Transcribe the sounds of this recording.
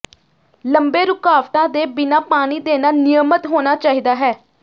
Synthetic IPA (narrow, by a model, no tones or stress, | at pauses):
ləmbeːɾʊkaːʋt̪ãːd̪eːbɪnaːpaːɽ̃iːd̪eːnaːnɪjəmət̪ɦoːnaːt͡ʃaːɦiːd̪aːɦɛː